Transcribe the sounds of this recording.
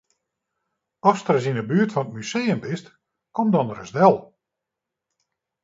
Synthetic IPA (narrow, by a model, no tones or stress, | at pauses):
ɔstrəsinəbyərtfɔnət̚myseːəmpɪst | kɔmdɔnərəsdɛlˠ